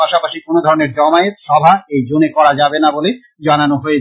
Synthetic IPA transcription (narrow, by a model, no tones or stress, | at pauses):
aʃapaʃikonod̪ʱɔɾoneɾd͡ʑɔmaet̪ʃɔbʱaejd͡ʑonekɔɾad͡ʑabenabole | d͡ʑananoɦoe